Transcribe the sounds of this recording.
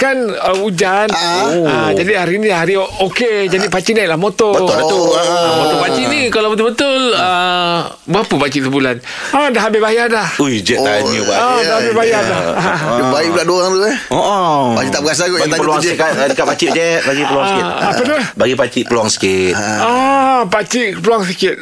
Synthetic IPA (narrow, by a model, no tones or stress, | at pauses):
kanəud͡ʒanəd͡ʒadiɦaɾiniɦaɾioked͡ʒadipat͡ʃinaʔlahmot̪ɔbəəot̪upat͡ʃiʔnikalabət̪ʊlbət̪ʊlə | bəapəpat͡ʃiʔt̪əbulan | adaɦabɪbajadahujd͡ʒɛanubaadaɦabɪbajadaaɦabaiʔbuladoɣaŋt̪ueoʔpat͡ʃit̪aʔbəɡas̬aɡɔʔtapəluaŋkandikapat͡ʃiʔd͡ʒɛʔ̚baɡipəluaaskɪa̰pənabaɡipat͡ʃiʔpəluaŋsə̥kɪt̪apat͡ʃiʔpəluaŋs̬əkɪt̪̚